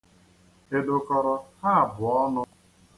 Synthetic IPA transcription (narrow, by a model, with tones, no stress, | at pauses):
e˦dʊ˨kɔ˦ɾɔ˦ha˦˨bʊ˨ɔ˦nʊ˦